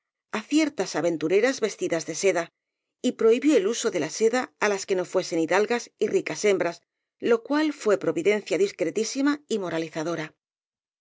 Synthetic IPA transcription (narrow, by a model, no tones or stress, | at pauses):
aθje̞ɾt̪asaβe̞nt̪uɾe̞ɾazβe̞st̪iðazðe̞se̞ða | ipɾo̞iβjo̞eluso̞ðe̞lase̞ðaːlaske̞no̞fwe̞se̞niðalɣasirikase̞mbɾas | lo̞kwalfwe̞pɾo̞βiðe̞nθjaðiskɾe̞t̪isimaimo̞ɾaliθaðo̞ɾa